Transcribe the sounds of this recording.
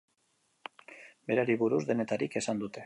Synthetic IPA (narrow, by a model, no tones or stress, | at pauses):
be̞ɾaɾiβuɾuzd̪e̞ne̞t̪aɾike̞sand̪ut̪e̞